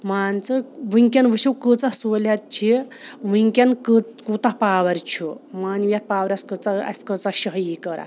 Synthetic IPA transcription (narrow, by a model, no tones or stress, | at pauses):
maːnt͡sɨʋɨŋkʲɐnʋɨsiwkət͡sɐhsoːlʲat̪̚t͡ʃʰiʋɨŋkʲankət͡skuːt̪aɦpaːʋɐɾʲt͡ʃʰumaːnʋjat̪̚paːʋɐɾʲɐskət͡saɐ̰sʲkət͡saɕɐɦjikəɾa̰